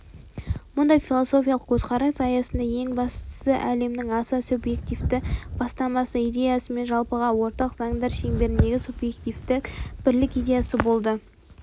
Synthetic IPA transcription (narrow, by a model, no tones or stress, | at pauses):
mʊnd̪ɑjfilˠoso̞fʲijɑlˠəq̚kʲʰɵzqʰɑɾɑsɑjɑsənd̪ɑje̞ŋbɑst̪ə̥səʔæle̞mnɪŋɑsɑsubje̞kt̪ivt̪ɪb̥ɑst̪ɑmɑsəijd̪ʲe̞jɑsəme̞nʒɑlˠpəʁɑwo̞ɾt̪ɑqzɑŋd̪ɑɾʃe̞ŋbe̞ɾɪnd̪e̞ɡʲɪsubje̞kt̪ift̪ɪkb̥ɪɾlɪkijd̪ʲe̞jɑsəbo̞lˠd̪ə